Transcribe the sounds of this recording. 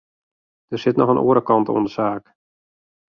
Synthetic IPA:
d̥ərsɪtnɔxənʔo̰ːəɾəkɑnto̰ːəndəsaːk

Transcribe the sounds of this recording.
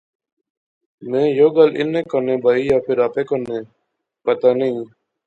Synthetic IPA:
mẽːjoːɡalʔɪ̰nẽːkənẽːbʱaːiːjaːpʰɪɾaːpeːkənẽː | pət̪aːnəĩː

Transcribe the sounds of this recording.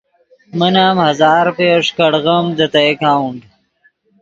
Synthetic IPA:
mənaːmhɐzaːɾpeːʂkɐɽɣɐmd̪ɐt̪ɐjkaːwɳɖ

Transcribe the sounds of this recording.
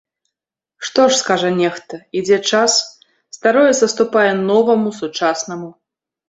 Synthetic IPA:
ʂt̪ɔʂskaʐɐnʲɛxt̪ɐid͡zʲɛt͡ʂas | st̪aɾɔjɛzɐst̪upajɛnɔvɐmusut͡ʂasnɐmu

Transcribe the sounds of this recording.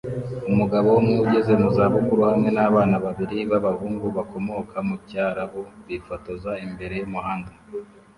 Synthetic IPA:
umuɡaβo̞womŋuɟe̞ze̞muzaːβukuɾuhamŋe̞naβaːnaβaβiɾiβaβahuːŋɡuβako̞mo̞kʰamucaːɾaβoβifotozaimbe̞ɾe̞jomuɦaːndu

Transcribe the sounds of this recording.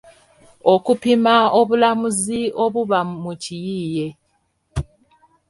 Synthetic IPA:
o̞kupimaoβulamuzioβuβamucijiːje̞

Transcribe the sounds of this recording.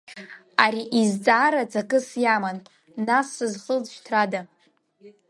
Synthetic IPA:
aɾiʔizt͡sʼaːɾat͡sʼakʼɨsjamanː | asːɨzχəd͡zʃtʰrada

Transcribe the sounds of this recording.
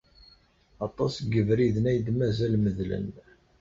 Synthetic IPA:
ɑt̪ˤɑsɡəvɾiðnæjd̪mæzælməðlə̰n

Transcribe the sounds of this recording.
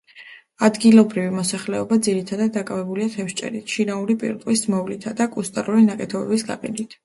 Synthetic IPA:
ad̪ɡilˠɔbɾivimɔsaχlɛɔbad̪ziɾit̪ʰad̪ad̪̚ːakʼavɛbuliat̪ʰɛfʃt͡ʃʼɛ̰ɾitʃinauɾipʼḭɾt̪ʼwismɔvlit̪ʰad̪akʼust̪ʼaɾuɾinakʼɛt̪ʰɔbɛ̰bisɡa̰qʼḭd̪it̪ʰ

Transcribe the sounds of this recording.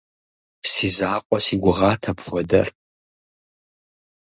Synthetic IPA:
siːzaːqʷʼɔsiːɡʷʊʁɑːtʰɐpxʷɔdɐ̰r

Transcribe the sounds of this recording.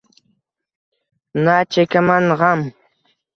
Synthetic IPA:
naːt͡ʃakamaɴɢɑm

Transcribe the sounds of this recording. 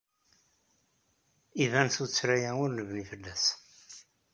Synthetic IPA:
ivænθut͡sːɾæjæʊɾləvnifəlːæs

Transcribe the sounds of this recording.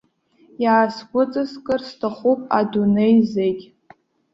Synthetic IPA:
jaːsɡʷʊt͡sʼɨskʼɨrstʰaχupʼa̰dunejzekʲ

